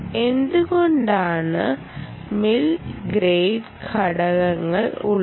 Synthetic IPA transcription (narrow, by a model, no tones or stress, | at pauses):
e̞nd̪uɣoɳɖaːɳɨ̰ | milɡɾejɖ | kʰɐɽɐɣɐŋːɐɭṵɭ